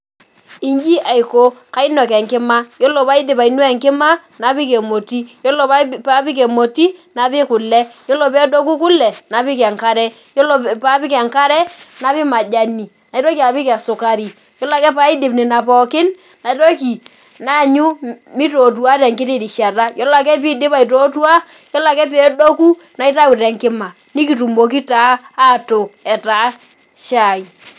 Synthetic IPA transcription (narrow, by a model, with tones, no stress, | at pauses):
i˨ɲd͡ʒi˦ʔa˨i˨ko˦ka˦i˦nɔ˨kɛ˨ŋkɪ˦ma˦jo˦lo˨pa˦ɪ˦dɪ˨pa˨i˦nwɛ˦˨ŋkɪ˦ma˦ | na˨˦pi˦ke˨mo˨ti˦jo˦lo˨pa˦pa˦pi˦k̬e˨mo˨ti˦na˨pɪ˦kʊ˨lɛ˦jo˦lo˨pɛ˦do˦ku˦kʊ˦lɛ˨na˨pɪ˦k̬ɛ˨ŋka˦ɾɛ˦ | jo˦lo˦˨pa˦pɪ˦kɛ˨ŋka˦ɾɛ˦na˦pi˦ma˨d͡ʒa˦ni˨ | na˨i˦ɾo˦ki˦a˨pi˦kɛ˨sʊ˨ka˨ɾi˨ | jɔ˦la˨kɛ˦pa˦i˦dɪ˨pnɪ˨na˨pɔ˨kɪ˦n | na˨i˦to˦ki˨ | na˦˨ɲu˦mi˦to˨t̬wa˦tɛ˨ŋkɪ˦tɪ˦˨di˨ʃa˨ta˦jɔ˦la˨kɛ˦p̬i˦dɪ˦pa˦˨i˨to˦tu˦a˦ | jɔ˦la˨kɛ˦p̬ɛ˨˦do˦ku˦ | na˨i˦ta˦wu˨tɛ˨ŋkɪ˦ma˨ | ni˦k̬i˨tu˨mbo˨k̬i˦taː˦˨tʊ˨k̚ɛ˨ta˨˦ | ʃa˨i˨